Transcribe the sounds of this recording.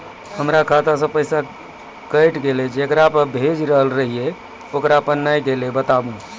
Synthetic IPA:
həmɾakʰat̪as̬ə̃pəjsa | kəjʈɡeled͡ʒekɾapəɾbʱed͡ʒɾəɦəlɾəɦije | okɾapənːajɡelebət̪abũ

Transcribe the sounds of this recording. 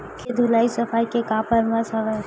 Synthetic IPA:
kʰed̪ʱʊlaːisɐfaːikekãːpəɾmasɐʋa

